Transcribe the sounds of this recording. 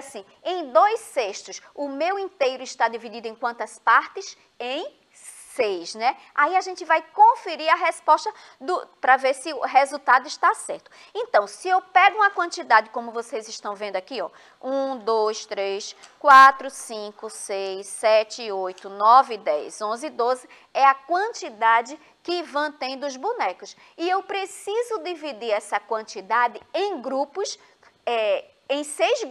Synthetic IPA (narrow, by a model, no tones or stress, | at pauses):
sĩ | ẽj̃d̪ojseʃt̪ʊsʊmewĩnt̪ejɾʊiʃt̪ad̪ivid̪id̪ʊẽj̃kwɐ̃nt̪ɐspaɾt̪ɪs | ẽj̃ | sejsnɛ | aiaʒẽnt͡ʃ̪ɪvajkõfeɾiɾɐɦespɔʃt̪ɐ | d̪ʊpɾɐveɾsɪʊɦezut̪ad̪ʊiʃt̪asɛ̰ɾt̪ʊ̥ | ẽnt̪ɐ̃w̃sɪewpɛɡʊũɐkwɐ̃nt̪id̪ad͡ʒɪkõmʊvosejzɪʃt̪ɐ̃w̃vẽnd̪ʊakiɔ | ũd̪ojst̪ɾejskwat̪ɾʊsĩkʊsejsɛt͡ʃɪojt̪ʊnɔvɪd̪ɛ̰jzõzɪd̪ozɪ | ɛɐkwɐ̃nt̪id̪ad͡ʒɪ | kɪvɐ̃t̪ẽj̃d̪ʊʊzbunɛkʊs | iewpɾesizʊd̪ivid̪iɾɛsɐkwɐ̃nt̪id̪ad̪ɪẽj̃ɡɾupʊs | ɛ | ẽj̃sejz